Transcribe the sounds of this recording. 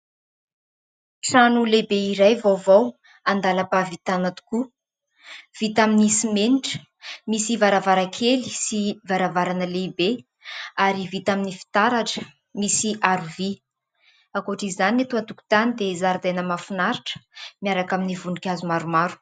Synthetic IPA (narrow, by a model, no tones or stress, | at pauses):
ʈ͡ʂanulebeiɾajvowvow | and̪alapavit̪anat̪u̥ku | v̥it̪aminisimeniʈ͡ʂə̥ | misivaɾavaɾakʰelisivaɾavaɾanəlebe | aɾivit̪aminifi̥t̪aɾaʈ͡ʂə̥ | misiʔaɾuvi | akoʈ͡ʂizzanet̪uat̪uku̥t̪anid̪ezaɾd̪ajnəmafunaɾiʈ͡ʂə̥miaɾakaminivunukʲazumaɾumaɾu̥